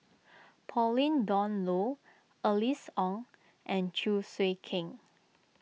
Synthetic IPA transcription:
pʰɔlĩndɔ̃nlo | ʔəlisɔ̃ŋ | ʔɛ̃nt͡ʃʰuswekʰɪ̃ŋ

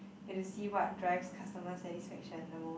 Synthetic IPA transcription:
itusiwɔt̚dɹɛɡskʰastəməsɛtisfɛkʃə̃nːo

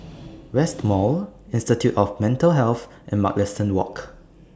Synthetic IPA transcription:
ɹɛstmɔlɪ̃nstitʰjutɔfmɛ̃ntəlɦɛlθ | ʔɛ̃nmaklɛstə̃nwɔ̰k

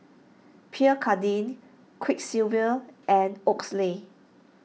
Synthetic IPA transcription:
pʰiəkʰadĩn | kʰwik̚silvəʔɛ̃noksle

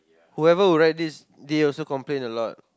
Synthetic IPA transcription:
huɛvəwuɹaɪt̚dis | deɔlsokɔ̃mplẽnəlɔt̚

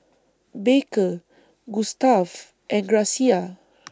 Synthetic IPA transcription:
bekə | ɡustav | ʔɛ̃nɡɹasia

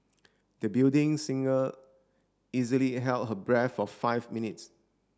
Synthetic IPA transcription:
dəbildɪ̃ŋsĩŋə | izəliɦɛlt̚ɦəbɹɛtfɔfaɪvminits

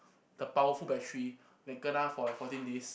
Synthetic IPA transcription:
d̥əpawəfulbɛk̚t͡ʃɹi | lɛ̃ɡə̃natfɔfɔtĩndes

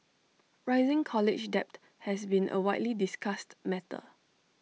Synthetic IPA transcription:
ɹaɪzɪ̃ŋkʰɔlɪt͡ʃdɛp̚t | hɛsbĩnʔə̰waɪtlidiskastmɛtə̰

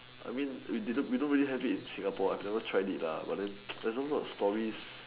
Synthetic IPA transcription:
ʔa̰jmĩnwididõwidõnɹiliɦɛvitĩnsĩŋapɔajvnɛvətʰɹaɪditla̰ba̰t̚dɛ̃ndɛsɔbastɔɹis

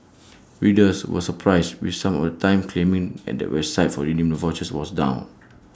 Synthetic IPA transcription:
ɹidəswɔ̰səpʰɹaɪstwḭfsãmɔ̰fdətʰãɪ̃mkʰlẽmĩŋɛ̰t̚dɛ̰twɛbsaɪtfɔɹinĩmnuvɔt͡ʃəswɔsdã̰ʊ̃n

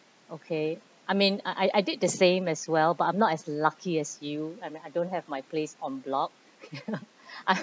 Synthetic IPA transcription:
okʰe | ʔajmĩnaʔajʔajdɪd̚dəsẽmɛswɛlbat̚ãɪmnɔtɛslakʰiɛsjuajmĩnajdõnt̚hɛvmajplesɔ̃nblɔk̚ | no | ʔa

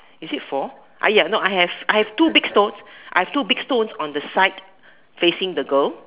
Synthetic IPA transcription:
isitfɔ | ʔa̰janoajhɛvʔajhɛv̥tubiɡ̥stõnsʔa̰jhɛv̥tubiɡ̥stõnsɔ̃ndəsaɪt | fesɪ̃ŋdəɡəl

